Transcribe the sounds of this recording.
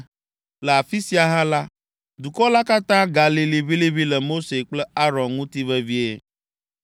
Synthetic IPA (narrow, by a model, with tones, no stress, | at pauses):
lə˨a˨fi˦si˦a˨ɦã˦la˦ | d̪u˨kɔ˦la˦ka˦t̪ã˦ɡa˨li˨li˦βi˦li˦βi˦lɛ˨mo˦se˨k͡plɛ˦a˦ɾɔ̃˨nŋũ˦t̪i˦vɛ˦vi˦e˦